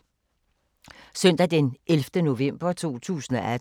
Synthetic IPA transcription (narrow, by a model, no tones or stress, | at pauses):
sœn̰d̥æd̥enʔelfd̥əno̝ʋem̰b̥ɐt͡sʰo̝̰ːt͡sʰṵːsən̩ɒʔæ